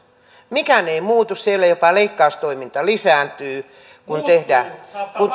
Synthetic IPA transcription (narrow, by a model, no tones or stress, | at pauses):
mikæneimuːt̪ussielːæjopɑleikːɑust̪oimint̪ɑlisæːnt̪yː | kunt̪ehdæːkun